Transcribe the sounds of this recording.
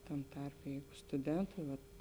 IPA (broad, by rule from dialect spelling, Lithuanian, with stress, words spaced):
ˈtɐm ˈtɐrʲpʲɛ ˈjɛɪɡʊ stʊˈdʲɛntɐɪ ʋɐt